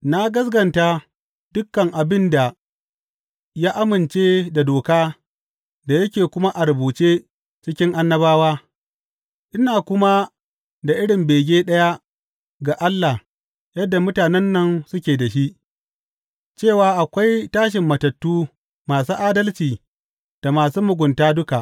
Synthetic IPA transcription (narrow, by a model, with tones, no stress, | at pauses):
na˦ɡɐ˦s̬ɡɐ˨nta˦ | d̥ʊ˦kːɐ˨ŋʔa˨bɪ˦nda˨ | jaː˦ʔa˦mɪ˨nt͡ʃeː˦da˨doː˨kaː˦ | da˨jɐ˦kʲeː˨kʷʊ˦ma˦ʔa˨ɾʊ˨buː˨t͡ʃeː˦ | t͡ʃɪ˦kʲɪ˦ŋʔa˦nːɐ˦baː˦waː˦ | ʔɪ˦naː˨kʷʊ˦ma˦ | da˨ʔɪ˦ɽɪ˨mbeː˨ɡʲeː˦ɗɐ˦ja˦ | ɡa˨ʔa˦lːa˨h | jɐ˦dːa˨mʊ˦taː˨nɛ˦nːɐ˦nsʊ˦kʲeː˨da˨ʃi˦ʔ | t͡ʃeː˦˨waː˦ʔa˨kʷa˦jtaː˦ʃ̬ɪ˨mːɐ˨tɐ˨tːuː˦ | maː˨suː˦ʔaː˦dɐ˦lt͡ʃiː˨ | d̥a˨maː˨suː˦mʊ˨ɡʷʊ˨ntaː˦dʊ˦ka˨ʔ